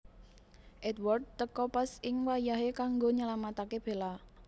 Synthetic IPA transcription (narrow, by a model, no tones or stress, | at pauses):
ʔɛd̪wɔrd̪̚t̪əkɔpasɪŋwajaɦekaŋɡoɲalamat̪akeb̥e̤la